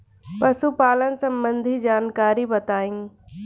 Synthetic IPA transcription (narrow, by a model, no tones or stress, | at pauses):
pɐʃupaːlənsɐ̃mbə̃nd̪ʱid͡ʒaːnkaːɾibɐt̪aːĩ